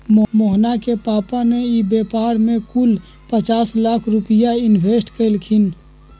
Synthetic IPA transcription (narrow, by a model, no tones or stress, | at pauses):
momoɦnakepaːpaneibeːpaːɾmẽkʊl | pət͡ʃaːslaːkʰɾʊpɪjaɪnʋʱeːsʈkəɪlkʰɪn